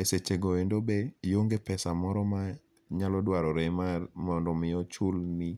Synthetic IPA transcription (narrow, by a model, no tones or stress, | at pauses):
eset͡ʃeɡɔendobejoŋɡepɛsamɔɾɔma | ɲalɔdwaɾɔɾɛmamɔndɔmɪɔt͡ʃʊlni